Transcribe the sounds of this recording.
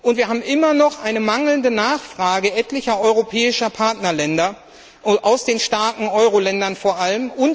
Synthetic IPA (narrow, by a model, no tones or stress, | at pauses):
ʔʊntv̥iɐɦaːbm̩ʔɪmɐnɔχʔaɪnəmaŋl̩ndənaːχfʁ̥aːɡəʔɛtlɪçɐʔɔʏʁopʰɛːɪʃɐpʰaɐtnɐlɛndɐ | ʔaʊsd̥eːnʃtaɐkŋ̩ʔɔʏʁolɛndɐnfoːɐʔaləmʔʊn